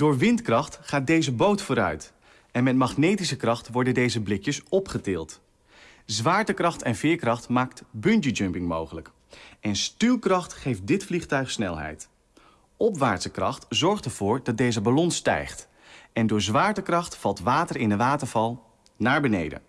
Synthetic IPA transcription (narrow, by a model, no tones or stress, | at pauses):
d̥ʊːɹʋɪntkrɑχtχaːt̚dejzəbowtfʊːɾœ̰ɥt | ɛnmɛt̚mɑχnejtisəkrɑχtʋɔɹdəndejzəblɪkjəsɔpχətɪːlˠt | zʋaːɹtəkrɑχtɛnvɪːɹkrɑχtmaːktbɵntəd͡ʒɵmpɪŋmowχələk | ɛnstylkrɑχtχejft̚dɪtfliχtœɥχsnɛ̰lˠɦɛ̰jt | ɔpʋaːɹtsəkrɑχtzɔɹχtɛɹv̥ʊːɹdɑt̚dejzəbalɔnstɛ̰jχt | ɛndʊːɹzʋaːɹtəkrɑχtfɑlˠtʋaːtəɹɪndəʋaːtəɹvɑlˠ | naːɹbənḛjdə̰n